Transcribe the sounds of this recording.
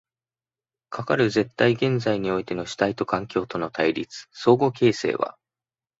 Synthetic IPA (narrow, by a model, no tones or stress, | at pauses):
kʰakaɾɯ̟ze̞t̪ːaiɡẽ̞nd͡zaiɲ̟io̞it̪e̞no̞ɕi̥t̪ait̪o̞kãŋkʲo̞ːt̪o̞no̞t̪ʰaiɾʲit͡sɨ̥so̞ːɡo̞ke̞ːse̞̰ːβa̰